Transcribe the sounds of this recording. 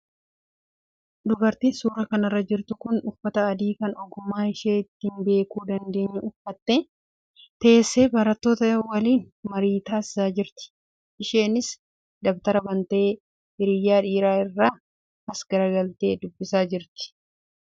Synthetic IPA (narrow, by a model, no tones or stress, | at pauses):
d̪ʊbɐɾt̪iːnsuːɾɐkɐnɐrːɐd͡ʒɪɾt̪ʊkʊnʊfɐt̪ɐɐd̪iːkɐnɔɡʊmːaːɪʃeːɪt̪ːinbe̞ːkuːd̪ɐnd̪e̞ːɲːɐʊfːɐt̪ːe | t̪ɐesːe̞ːbɐɾɐt̪ːo̞ːt̪ɐɐwɐliːn | mɐɾiːt̪aːɪsaːd͡ʒɪɾt̪ɪ̥ | ʔɪʃe̞ːnɪs | d̪ɐbt̪ɐɾɐbɐnt̪e̞ː | ɪɾɪjːaːᶑiːɾaːɪrːaː | ɐsɡɐɾɐɡɐlt̪e̞ːd̪ʊbːɪsaːd͡ʒɪɾt̪ɪ̥